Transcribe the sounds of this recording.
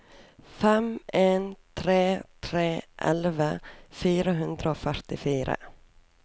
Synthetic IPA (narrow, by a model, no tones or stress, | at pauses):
fɛmeːnt̪ʰɾeːt̪ʰɾeːʔɛ̰lvafyːɾaɦɵnd̪ɾaofœʈɪfyːɾa̰